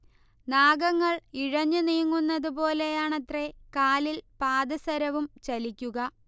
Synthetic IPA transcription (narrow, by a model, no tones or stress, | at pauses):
naːɡɐŋːɐɭiɻɐɲːuniːŋːunːɐðupo̞ːle̞jaːɳɐt̪re̞kaːlilpaːd̪ɐsɐɾɐʋumt͡ɕɐlikʲːuɣɐ